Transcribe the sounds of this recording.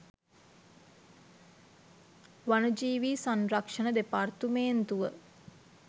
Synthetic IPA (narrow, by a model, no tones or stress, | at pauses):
ʋanəd͡ʒiːʋiːsanrakʂənəd̪epart̪umeːnt̪uʋə